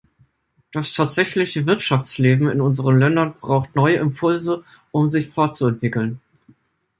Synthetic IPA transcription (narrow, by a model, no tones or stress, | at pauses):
d̥astʰaːtz̥ɛçlɪçəvɪɐtʃaft͡sleːbm̩ɪ̰nʊnzəʁənlɛndɐnbʁaʊxtnɔʏəʔɪmpʰʊlzəʔʊmzɪçfɔɐtt͡suɛntv̥ɪkl̩n